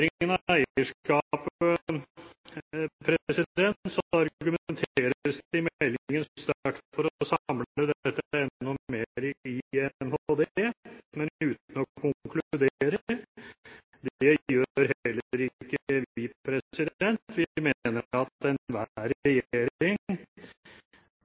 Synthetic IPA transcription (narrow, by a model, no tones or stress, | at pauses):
ɾɪənɑæɪəʂkɑp | pʰɾɛsɪd̪ɛnsɔɑɾɡʉmɛnt̪ʰeeːɾɾəsɪmɛlːɪŋənst̪ʈtfɔɾɔsɑməd̪ɛt̪ːəɛnːɔmeːɾɪɛnhod̪emɛnʉːt̪n̩ɔkʰʊkʰlʉd̪eːɾəɾ | d̪jøːɾɦɛlːəːəɾɪkːəʋipʰɾɛsɪd̪ɛnt̪ʰʋɪmenəɑt̪ɛnʋæɾɛjeːɾɪŋ